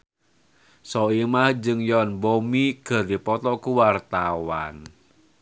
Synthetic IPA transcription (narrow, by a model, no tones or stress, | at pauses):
sɔimahd͡ʒɨŋjɔnbomiɡ̥ə̤ɾipɔt̪ɔkuwart̪awa̰n